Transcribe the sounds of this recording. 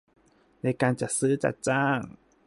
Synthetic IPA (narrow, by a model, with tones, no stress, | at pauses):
na˧˩jkaː˧˩nt͡ɕa˨˩ʔ̚sɯː˦˥t͡ɕa̰˨˩t̪̚t͡ɕaː˧˥˩ŋ